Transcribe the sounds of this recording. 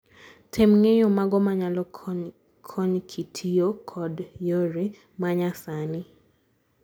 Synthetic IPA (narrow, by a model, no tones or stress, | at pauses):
tʰemŋejɔmaɡɔmaɲalɔ | kʰɔɲkʰitʰijokʰɔdjoɾe | maɲasanɪ